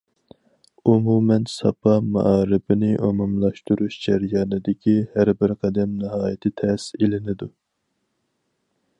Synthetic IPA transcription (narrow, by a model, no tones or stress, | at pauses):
umumɛnsɑpʰɑmɑ̰ʔɑːɾɪbɪnɪʔomɑmlˠɑʃt̪uɾuʃd͡ʒɛɾijɑːnɨd̪ɪkʲihæɾbɪɾqʰɛd̪ɛmnɨɦɑːjɪt̪ʰɪt̪ʰɛselɪnɪd̪u